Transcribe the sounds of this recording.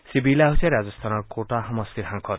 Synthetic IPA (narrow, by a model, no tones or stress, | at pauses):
sibilaɦut͡sʰẽɾad͡zʌst̪ʰanʌkoʈaɦʌmʌst̪iɾɦãŋkʰʌ